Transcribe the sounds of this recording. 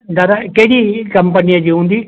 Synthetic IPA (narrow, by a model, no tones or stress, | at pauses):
d̪aɾakeːɽiːkəmpənijãːd͡ʒiːɦũːnd̪iː